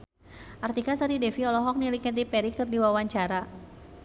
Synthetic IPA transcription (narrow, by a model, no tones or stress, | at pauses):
ʔart̪ikasaɾidɛfiɔlɔɦɔk̚nilikɛt̪̬ipɛɾikɨrdiwawaɲt͡ʃaɾa